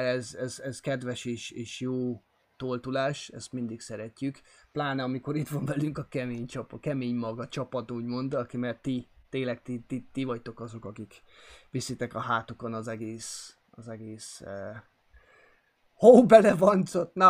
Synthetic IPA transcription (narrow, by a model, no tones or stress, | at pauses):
ɛzɛzɛzkɛd̪ʋɛʃeːʃeːʃjoː | t̪olt̪ulaːʃɛ̰st̪mind̪iksɛɾɛcːykplaːnɛɒmiko̞ɾit̪ʋɒɱvɛlyŋkɒkɛmeːɲt͡ʃɒpɒkɛmeːɲmɒɡɒt͡ʃɒpɒt̪uːɟmo̞nd̪ɒkimɛrt̪it̪eːŋlɛkt̪it̪it̪ivɒct̪o̞kɒzo̞kɒkikʋisit̪ɛkɒɦaːt̪uko̞nɒzɛɡeːs | ɒzɛɡeːsøː | hobɛlɛvɒnt̪sot̪nɒ